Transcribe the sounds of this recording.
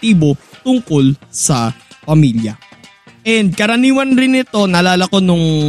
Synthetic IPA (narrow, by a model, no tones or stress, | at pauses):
t̪iːbo̞t̪ʊŋko̞lsɐpɐmiːljɐ̰ | ʔɛnd̪̚kɐɾɐniːwɐnɾɪnɪt̪o̞nɐlaːlɐko̞nʊŋ